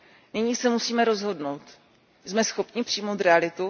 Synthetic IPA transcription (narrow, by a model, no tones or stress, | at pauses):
nɪɲiːsɛmusiːmɛɾo̞zɦo̞dno̞wt̪ | zmɛsxo̞pɲɪpr̝̥ijmo̞wt̪ɾɛalɪt̪u